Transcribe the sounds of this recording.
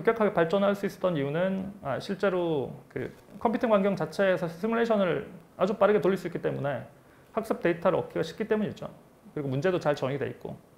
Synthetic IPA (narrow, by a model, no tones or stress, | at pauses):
t͡ɕok͈jʌkʰaɡe̞paɭt͡ɕ͈ʌnɦaɭs͈uis͈ʌ̥t͈ʌnijunɯna̰ɕʰiɭt͡ɕ͈e̞ɾokɯ̰ | kʰʌmpʰutʰinɡwaŋɡjʌŋt͡ɕat͡ɕʰe̞sʰʌsʰimuɾeɕʰʌnɯɭ | ad͡ʑup͈aɾɯɡe̞toɭːʎːis͈uik͈it͈e̞mune̞ | hak̚s͈ʌp̚t͈e̞itʰaɾɯɭʌ̰k͈iɡaɕʰi̥k͈it͈e̞muɲid͡ʑo̰ | kɯɾiɡomund͡ʑe̞dot͡ɕaɭt͡ɕʌŋidwe̞it̚k͈o̰